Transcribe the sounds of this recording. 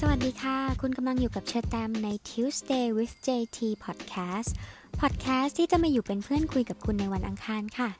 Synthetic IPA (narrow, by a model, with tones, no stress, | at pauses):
sa˧wa˨˩t̪̚diː˧kʰa˥˩kʰu˧nka˧mla˧ŋjuː˨˩ka˨˩p̚t͡ɕʰɯː˧t̪ɛː˧mna˧jt̪ʰiː˦˥wsdeː˧wi˦˥ft͡ɕeː˧t̪ʰiː˧pʰɔ˨˩t̪̚kʰɛː˦˥s | pʰɔː˨˩t̪̚kʰɛː˦˥st̪ʰːiː˥˩t͡ɕa˨˩ma˥˩jːuː˨˩pe˧npʰɯ˥˩ənkʰu˧jka˨˩p̚kʰu˧nːa˧jwa˧nʔa˧ŋkʰaː˧nkʰa˥˩